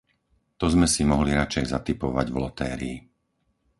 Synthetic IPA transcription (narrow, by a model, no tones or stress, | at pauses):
t̪ɔzmɛsimɔɦliɾat͡ʃɛjzat̪ipɔʋa̰ɟvlɔt̪ɛːɾḭː